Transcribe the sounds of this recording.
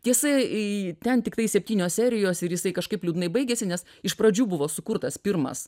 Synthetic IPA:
t̪ʲiɛsɐt̪ʲɛnt̪ʲɪkt̪ɐɪsʲɛpʲt̪ʲiːnʲoːsʲsʲæːɾʲɪjoːsɪɾjɪsɐɪkɐʃkɐɪplʲuːd̪nɐɪbɐɪɡʲɛsʲɪnʲɛs | ɪʃpɾɐd͡ʒʲuːbʊʋoːsʊkʊɾt̪ɐspʲɪɾmɐ̰s

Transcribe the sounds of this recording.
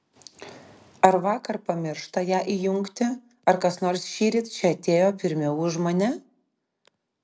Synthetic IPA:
ɐɾʋɑːkɐɾpɐmʲɪɾʃt̪ɐjæːʔijʊŋkt̪ʲɪ | ɐɾkɐsnoːɾsʃʲiːɾʲit̪ʲt͡ʃʲɛɐt̪ʲeːjoːpʲɪɾʲmʲɛuʒmonʲɛ

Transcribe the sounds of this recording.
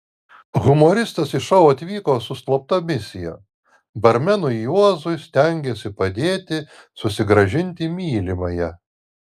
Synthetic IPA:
ɣʊmoːɾʲɪst̪ɐsɪʃɐʊɐt̪ʲʋʲiːkoːsʊst̪lˠop̚t̪ɐmʲɪsʲɪjo̰ː | bɐɾʲmʲɛnʊjuɔzʊɪsʲt̪ʲɛŋʲɡʲesʲɪpɐd̪ʲeːt̪ʲɪ | sʊsʲɪɡɾɐʒʲɪnʲt̪ʲɪmʲiːlʲɪmɐjɛ

